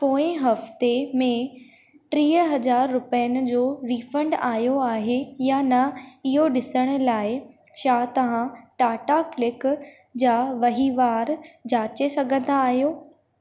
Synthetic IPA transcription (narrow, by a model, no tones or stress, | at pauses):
poːɪ̃ɦɐft̪emẽ | ʈɾiːɦəɦɐzaːɾːʊpəjənɪ̆d͡ʑoːʋiːfə̃ɳɖaːjoaːɦejanɐɪɦoɗɪsəɽ̃ʊ̆laːɪ | ʃaːt̪ɐʋ̤ãʈaːʈaklɪk | d͡ʑaːʋɐɦiʋaːɾd͡ʑaːt͡ɕesɐɡʱə̃nd̪aːɦijoː